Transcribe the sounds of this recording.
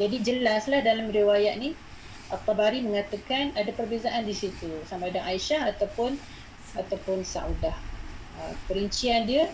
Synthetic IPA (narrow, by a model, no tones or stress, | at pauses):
d͡ʒadid͡ʒəlaslahdalamriwajaʔ̪̚ni | ʔapabaɾiməŋat̪akanadapərbezaʔandisit̪usamadaŋaiʃahat̪awpʊn | at̪awpʊnsa̰udah | əkəɾəɲt͡ʃiandiə